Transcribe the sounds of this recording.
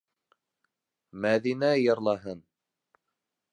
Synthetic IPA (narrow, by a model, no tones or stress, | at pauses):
mæðinæjɤ̆ɾlˠɑɦɤn